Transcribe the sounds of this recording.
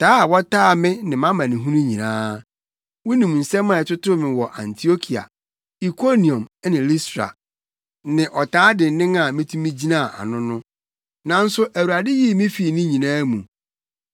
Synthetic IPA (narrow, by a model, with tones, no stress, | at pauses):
tʰaː˦a˨wɔ˦taː˦˨mɪ̃˦nɪ̃˨mã˦mã˨nĩ˨ɦũ˦nũ˦ɲĩ˨nãː˦ | wʊ˦nĩ˨m˨n̩˨sɛ˦mã˨ɛ˨tʊ˦tʊ˦mɪ̃˨wɔ˨ʔã̰˨ntʰi˨o˦kʰi˨a̰˨ | i˨kʰo˦nĩ˨õ˨m˦nɪ̃˨li˦stɾa̰˨ | nɪ̃˨ʔɔ˨tʰaː˦dɪ˨n̩˦nɪ̃˦ŋa˨mɪ̃˦tʰũ˦mĩ˦d͡ʑi˦nã˦˨ʔa̰˨nʊ̃˦nʊ̃˦ | nã˨n̩˦sʊ˦ʔæ˨wu˨ɾa˨dɪ˦ji˦mɪ̃˦fi˨nɪ̃˦ɲĩ˨nãː˦mũ˨